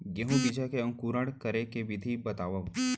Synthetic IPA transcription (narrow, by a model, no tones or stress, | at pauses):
ɡeɦũɡɪd͡ʒakeɐ̃ŋkuːɾəɽkɐɾekeʋɪd̪ʱibɐt̪aːʋaũ